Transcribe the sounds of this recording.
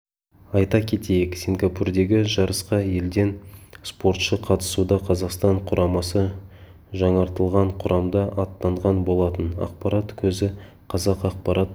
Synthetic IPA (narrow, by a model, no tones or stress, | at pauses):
ɑjt̪ɑkʲʰe̞t̪e̞jɪksʲiŋɡapurd̪e̞ɡʲɪʒɑɾəsqɑje̞ld̪e̞nspo̞ɾt̪ʃəqʰɑt̪ə̥sud̪ɑqʰɑzɑqst̪ɑɴqʰʊɾʔɑmɑsə | ʒɑɴɑɾt̪əlˠʁɑɴqʰʊɾʔɑmd̪ɑʔɑt̪ːɑɴʁɑnbo̞lˠɑt̪ənɑ̰q̚pɑɾat̪kʲʰɵzɪ | qʰɑzɑqɑq̚pɑɾʔɑt̪